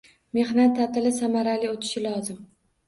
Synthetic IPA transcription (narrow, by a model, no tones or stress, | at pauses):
me̞hnat̪ʰːat̪ɪlɪsamaɾaliot̪ʰɪ̥ʃɪlɒzɪm